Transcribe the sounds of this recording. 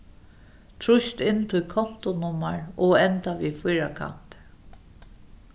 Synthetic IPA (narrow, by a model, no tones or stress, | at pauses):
t̪ʰɹʊʃt̪ɪnːt̪ʰʊlkʰɔn̥t̪ʊnʊmaɹɔɛnt̪aʋifiːɾakʰa̰n̥t̪